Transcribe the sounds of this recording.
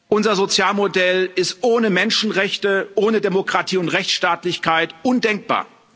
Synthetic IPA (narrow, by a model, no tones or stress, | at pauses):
ʔʊnzɐzot͡sjaːlmodɛlɪstʔoːnəmɛnʃn̩ʁɛçtəʔoːnədemokʁ̥atʰiːʊntʁɛçt͡sʃtaːtlɪçkʰaɪtʔʊndɛŋk̚b̥a̰ːɐ